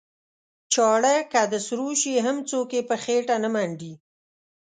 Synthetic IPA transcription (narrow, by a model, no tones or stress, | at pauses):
t͡ʃɑɽekad̪əsɾuʃiɦamt͡sokepəxeʈanəmaɳɖi